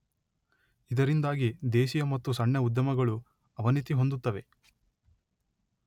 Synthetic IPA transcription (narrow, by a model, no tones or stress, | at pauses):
id̪ɐɾind̪aːɡid̪eːʃijɐmɐt̪ːusɐɳːjɐud̪jɐmɐɡɐɭu | ɐʋɐnit̪iɦo̞nd̪ut̪ːɐʋe̞